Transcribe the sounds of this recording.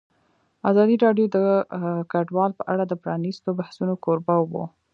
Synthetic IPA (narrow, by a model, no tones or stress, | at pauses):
azɑd̪iɾɑɖjod̪əkaɖwɑlpəʔaɽad̪əpɾɑnist̪obahsunokoɾbawo̰